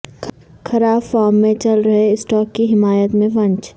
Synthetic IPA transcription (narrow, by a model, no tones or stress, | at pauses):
xʰɐɾaːbfaːɾmːẽt͡ʃɐlɾɐɦeɪsʈɔːkːiɦɪmaːjət̪mẽʋɐ̃ɲt͡ʃ